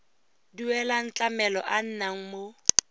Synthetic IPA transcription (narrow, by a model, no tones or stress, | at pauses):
diwɛlan̩t͡ɬʼamɛlɔ̰ʔan̩naŋ̩mo